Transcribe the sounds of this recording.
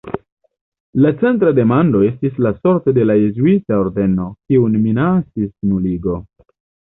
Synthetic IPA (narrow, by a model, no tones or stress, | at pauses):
lat͡se̞ntɾade̞mando̞e̞stislaso̞ɾto̞de̞lajezuitao̞ɾde̞no̞kiunminat͡sisnuliɡo̞